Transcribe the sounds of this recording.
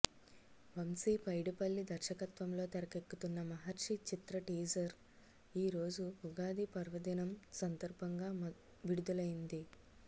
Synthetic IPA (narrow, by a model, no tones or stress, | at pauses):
ʋɐmsiːpɐjɽipɐɭːid̪ʱɐɾʃɐkɐt̪ʋɐmlo̞ːt̪ɐɾɐkekːut̪unːɐmɐɦɐɾʂit͡ʃit̪ɾɐʈiːd͡ʒɐɾ | iːɾo̞ːd͡ʒuuɡaːd̪ipɐɾʋɐd̪inɐmsɐnd̪ɐɾbʱɐŋɡaː | ʋiɽud̪ulɐjind̪i